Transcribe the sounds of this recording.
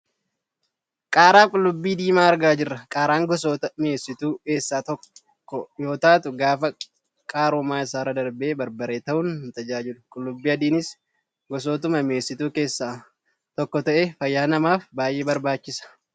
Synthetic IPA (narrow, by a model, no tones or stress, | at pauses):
kʼaːɾaːkʼʊlːʊbːiːd̪iːmaːɐɾɡaːd͡ʒɪrːɐkʼaːɾaːŋɡɔsoːt̪ɐmɪeːsːɪt̪uːke̞ːsːaːt̪ɔkː | ɔjo̞ːt̪aːt̪ʊɡaːfɐ | kʼaːɾomaːɪsaːɾɐd̪ɐɾbeːbɐɾbɐɾeːt̪ɐʔʊnt̪ɐd͡ʒaːd͡ʒɪlʊkʼʊlːʊbːiːɐd̪iːnɪs | ɡɔs̬oːt̪̬ʊmɐmeːsːɪt̪uːke̞ːsːaː | t̪ɔkːɔt̪ɐʔeːfɐjːaːnɐmaːfbaːjʔe̞ːbɐɾbaːt͡ʃːɪsɐ̥